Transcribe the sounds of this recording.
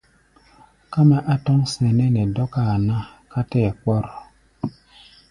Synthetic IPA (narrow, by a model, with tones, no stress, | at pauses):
ka˦ma˦ʔa˦tɔ˦ŋse˨ne˦nɛ˨dɔ˦ka˦˨na˦ka˦tɛ˦˨k͡pɔ˦ɾ